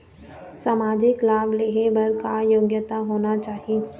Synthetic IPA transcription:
saːmaːd͡ʒɪklaːbleːɦebɐɾkajoːɡjət̪aɦoːnat͡ʃaːɦieː

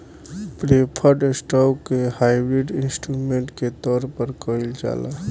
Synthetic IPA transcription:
pɾeːpʰəɾɖsʈɔːkːehaːibɾiɖɪnsʈɾumẽːɳʈket̪ɔːɾpəɾkəild͡ʒa̰ːla

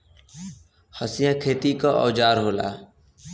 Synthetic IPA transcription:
həsɪjãːkʰeːt̪iːkaʔɔ̰ːd͡ʒaːɾɦoːla̰ː

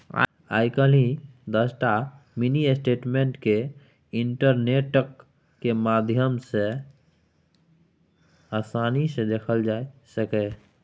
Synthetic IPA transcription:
a̰ːjkəlĩd̪əsʈa | miniesʈeːʈmẽɳʈke | ɪɳʈəɾneːʈəkː | emaːd̪ʱjəmse | aːsaːnised̪eːkʰəld͡ʒaːesəke

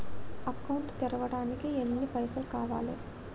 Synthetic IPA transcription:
ɐkɐwuɳʈt̪iɾɐʋɐɽaːnikienːipɐjsɐlkaːʋa̰ːlḛː

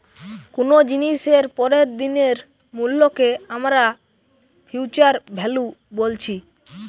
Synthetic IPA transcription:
kunod͡ʑiniʃeɾpɔɾeɾd̪ineɾ | mulːokeamɾa | pʰuwt͡ɕaɾbʱɛlubolt͡ɕʰi

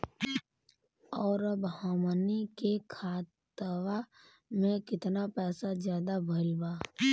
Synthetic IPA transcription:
ɔːɾbɦaːmənikekʰaːt̪wa | mẽkɪt̪napɛːsazjaːd̪abʱəlbaː

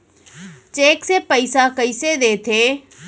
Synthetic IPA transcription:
t͡ʃeːksepəisakəised̪eːt̪ʰeː

